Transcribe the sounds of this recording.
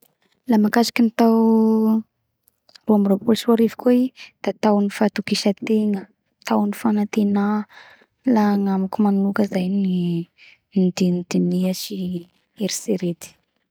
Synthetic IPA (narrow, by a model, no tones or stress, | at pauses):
lamakasḁkinit̪aw | ruamropulsuaɾivi̥kuid̪̥at̪awnifat̪ukiʃət̪eŋə | t̪awnifanat̪ena | laŋamakumannukəzajni | d̪ind̪̥iniəʃi | eɾi̥seɾet̪i̥